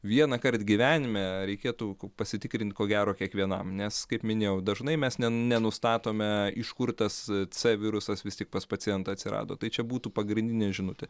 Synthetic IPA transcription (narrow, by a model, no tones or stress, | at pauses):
ʋʲiɛnɐkɐɾt̪ɡʲɪʋʲæːnʲɪmʲɛɾʲɛɪkʲiːt̪upɐsʲɪt̪ʲɪkɾʲɪnʲt̪ʲkoːɡʲæːɾoːkʲiɛkʋʲiɛnɐ̰mnʲɛskɐɪpmʲɪnʲeːjɛʊd̪ɐʒnɐɪmʲɛsnʲɛnʲɛnʊst̪ɑːt̪oːmʲɛɪʃkʊɾt̪ɐst͡sɛʋʲɪɾʊsɐsʋʲɪst̪ʲɪk̚pɐspɐt͡sʲsʲɪjɛnt̪ɐɐt̪ʲsʲɪɾɑ̰ːd̪o̰ːt̪ɐɪt͡ʃʲɛbuːt̪uːpɐɡɾʲɪnʲd̪ʲɪnʲɛʒʲɪnʊt̪ʲɪ